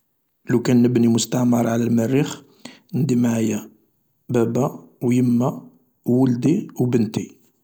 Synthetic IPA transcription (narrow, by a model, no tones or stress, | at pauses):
lukænːəbnimʊst̪aʕməɾˤʕalælmərːix | nd̪imʕajːæ | bæbæwjəmːæː | əld̪iwbənt̪i